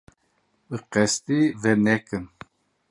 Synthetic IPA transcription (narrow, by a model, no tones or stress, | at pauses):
ɨqɛst̪ivɛnɛkɨn